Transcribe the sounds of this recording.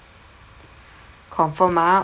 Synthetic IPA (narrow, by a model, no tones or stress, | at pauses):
kʰɔːŋfɔːmaː